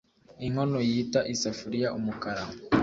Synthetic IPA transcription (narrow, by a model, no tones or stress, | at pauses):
iŋonojitaʔisafuɾijaʔumukaɾama